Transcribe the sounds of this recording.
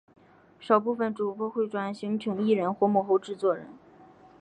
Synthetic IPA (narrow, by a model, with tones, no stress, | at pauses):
ʂɑ˨˩ʊpu˥˧fə˧˩nʈ͡ʂu˨˩pwɔ˥xwe˥˩ɪʈ͡ʂwa˧˥nɕŋt͡ɕʰi˧˥ŋi˥˩ɻə˧˥nxwɔ˥mɔ˧˥˩xo˥˧ʊʈ͡ʂɻ̩˥˧t͡swɔ˥˩ɻə̰˧˥n